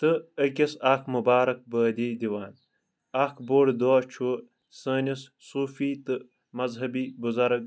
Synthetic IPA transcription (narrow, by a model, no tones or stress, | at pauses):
t̪ɨək̬ʲɐsaːkʰmubaːɾɐk̚bəːd̪iːd̪iwaːn | aːkʰboːɽd̪aːt͡ʃʰu | səːnis | suːfiːt̪ɨ | mɐzɦɐbiːbuzɐɾɐk̚